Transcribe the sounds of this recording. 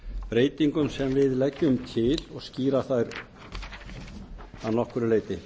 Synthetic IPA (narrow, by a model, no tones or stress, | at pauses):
pɾeːjt̪iŋkʏmsɛmvɪðlɛcːʏmt̪ʰɪlɔɣsciːɾaθajɾ | θanɔhkʏɾɪleːjt̪ɪ